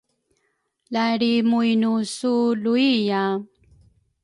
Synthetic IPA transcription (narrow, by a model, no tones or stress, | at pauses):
laɾimujnusuluija